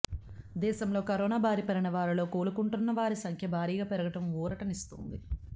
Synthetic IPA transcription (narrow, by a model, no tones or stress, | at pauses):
d̪ɛːʃɐmlo̞ːkɐɾɔːnaːbʱaːɾipɐɾinɐʋaːɾɐlo̞ːkoːlukuɳʈunːɐʋaːɾisɐŋkʰjɐbʱaːɾiːɡaːpɛɾɐɡɐʈɐmuːɾɐʈɐnist̪ṵnd̪i